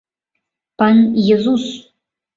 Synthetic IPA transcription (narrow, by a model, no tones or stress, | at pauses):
panjɛzus